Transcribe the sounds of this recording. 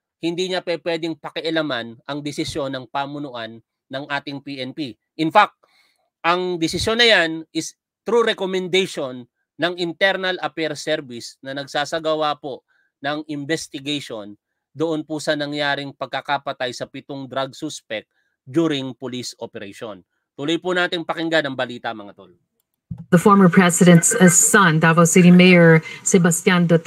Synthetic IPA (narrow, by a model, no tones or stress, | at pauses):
hɪnd̪iːɲɐpɛpwɛd̪ɪŋpɐkɪʔɐlamanʔɐŋd̪ɪsɪsjo̞nɐŋpaːmʊnʊʔanː | ɐŋʔaːt̪ɪŋpiʔɛnpi | ʔɪnfak̚t̪̚ | ʔɐŋd̪ɪsɪsjo̞nːɐjanʔɪs | t̪ɾuɾɛkomɛnd̪ejʃonː | ɐŋɪnt̪ɛɾnɐlɐpɛɾsɛɾvɪsnɐnɐɡsaːsɐɡɐwapo̞ | nɐŋɪmbɛst̪ɪɡejʃon | d̪oʔonpʊsɐnɐŋjaːɾɪŋpɐɡ̚kɐkapɐt̪ajsɐpɪt̪oŋd̪ɾɐɡ̚suspɛk̚t̪̚ | d͡ʒuːɾɪŋpʊlisopɛɾɐ̰ʃo̰n | t̪ʊlojpʊnaːt̪ɪŋpɐkɪŋɡanɐŋbɐliːt̪ɐʔmɐŋɐt̪o̰l | ðəfɔɹmə˞pʰɹ̥ɛsɪɾɛ̃ntssɐ̃ndavawsɪɾimeɪəɹsɛbɐst̪jãnd̪ut̪